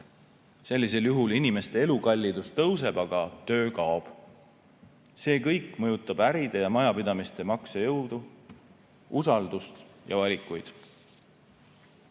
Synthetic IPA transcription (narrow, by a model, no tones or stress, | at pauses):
se̞lʲːis̬e̞ljuɦulinime̞st̪e̞e̞lukɑlʲːid̪̥ust̪ɤws̬e̞b̥ɑɡ̥ɑt̪ø̞ːkɑob̥ | se̞ːkɤjkːmɤjut̪ːˑɑb̥æɾid̪̥e̞jɑmɑjɑpid̪ɑmist̪e̞mɑksejɤwd̪̥u | usɑld̪ust̪jɑvɑlʲikːˑujd̪̥